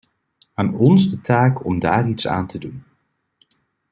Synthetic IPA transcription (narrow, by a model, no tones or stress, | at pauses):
aːnɔnzdətaːkɔmdaːritsa̰ːntʰədun